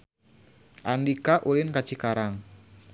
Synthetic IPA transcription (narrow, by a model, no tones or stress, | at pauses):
ʔandikaʔulɪnkat͡ʃikaɾaŋ